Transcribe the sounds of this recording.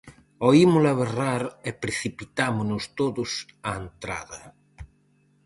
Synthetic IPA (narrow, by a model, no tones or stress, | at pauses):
oimʊlaβeraɾepɾeθipit̪amʊnʊst̪oðʊsaent̪ɾa̰ðɐ